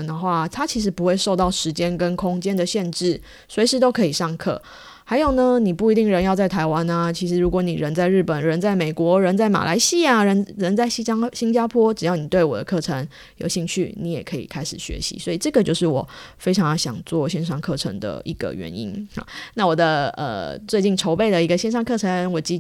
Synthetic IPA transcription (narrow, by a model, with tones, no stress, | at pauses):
nd̪ə˨xwa˥˩t̪ʰa˥t͡ɕʰi˧˥ʂ̬ɻ̩˧˥pu˧xwe˥˧ɪʂo˥˧ʊt̪ɑ˥˩ʊʂɻ̩˧˦t͡ɕjɛ˦nkə˦nkʰo˦˥ŋt͡ɕjɛ˥nd̪ə˨ɕjɛ˥˧nʈ͡ʂɻ̩˥˩ | swe˧˥ʂ̬ɻ̩˧˥t̪o˥ʊkʰɤ˧˥i˨˩ʂɑ˥˧ŋkʰɤ̰˥˩ | xa˧˥ɪjo˨˩ʊnə˦ni˨˩pu˥˩i˧t̪̬i˥˩ŋɻə˧˦njɑ˥˧ʊt͡sa˥˩ɪt̪ʰa˧˥ɪwa˦na˧t͡ɕʰi˧˥ʂɻ̩˧˥ɻu˧˥kwɔ˧˥nḭ˨˩ɻə˧˦˥nt͡sa˥˧ɪɻ̩˥˩pə˨˩nɻə˧˦nt͡sa˥˩ɪme˨˩ɪkwɔ˧˥ɻə˧˥nt͡sa˥˩ɪma̰˨˩la̰˧˥ɪɕi˥a˨ɻə˧˥nɻə˧˥nt͡sa˥˩ɪɕi˥ɕi˥nt͡ɕja˥pʰwɔ˥ʈ͡ʂɻ̩˨˩jɑ˥˩ʊni˨˩t̪we˥˩ɪwɔ̰˨˩d̪ə̰˦kʰɤ˥˩ʈ͡ʂʰə˧˥ŋ | jo̰˧˥ʊɕi˥˧ŋt͡ɕʰy̰˥˩ni˧˥jɛ̰˨˩kʰɤ˧˥ḭ˨˩kʰa˥ɪʂɻ̩˨˩ɕɥɛ̰˧˥ɕḭ˧˥swɔ˧˥i˨˩ʈ͡ʂɤ˥˩ɡə˩t͡ɕjo˥˧ʊʂɻ̩˥˩wɔ˨˩fe˥ɪʈ͡ʂʰɑ˧˥ŋjɑ˥˧˩ɕjɑ̰˨˩ŋt͡swɔ˥˩ɕjɛ˥˧nʂɑ˥˧ŋkʰɤ˥˩ʈ͡ʂʰə̰˧˥ŋd̪ə̰˧ʔḭ˧˥ɡ̥ə̰˨ɥɛ̰˧˥nḭ˦˥n̰˨˩na˥˩wɔ˨˩d̪ə˦ə̰˨˩t͡swe˥˧ɪt͡ɕi˥˩nʈ͡ʂʰo˧˥ʊpe˥˩ɪd̪ə˩i˧˥ɡə˧ɕjɛ˥˧nʂ̬ɑ˥˧ŋkʰɤ˥˩ʈ͡ʂʰə˧˦nwɔ˨˩t͡ɕi˥